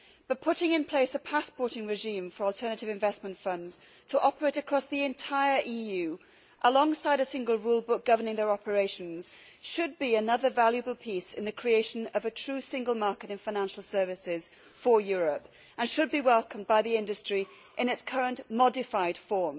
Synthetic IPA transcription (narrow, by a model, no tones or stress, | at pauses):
b̥ʌt̚pʰʊɾɪ̃ŋɨ̃npʰl̥eɪsəpʰaspɔɹɾɪ̃ŋɹɪʒĩɱfə˞ɔlˠtʰɜ˞nɨɾɨvɨ̃ɱvɛsmə̃n̩tfʌ̃ndz̥ | tʰəʔɑpə˞eɪɾɨkʰɹ̥ɔsðiɨ̃ntʰaɪə˞ʔijʉ | ʔəlɔ̃ŋsaɪɾɨsɪ̃ŋɡəlˠɹulˠbʊk̚ɡ̥ʌvənɪ̃ŋðə˞ɑpʰə˞eɪʃɨ̃n̩z̥ | ʃɨd̚biɨnʌðə˞valˠjɨbəl̩ˠpʰisɨ̃nðɨkʰɹ̥ieɪʃɨ̃nʌvɨtʰɹ̥ʉsɪ̃ŋɡəlˠmɑɹkɨɾɨ̃nfaɪñæ̃nʃl̩ˠsɜ˞vɨsɪz̥ | fə˞jɔɹəp | ʔə̃nʃɨd̚biwɛlˠkə̃m̩baɪðiɪ̃ndɨstɹ̥i | ʔɪ̃nɨtskʰʌɹə̃nʔmɑdɨfaɪd̥fɔɹm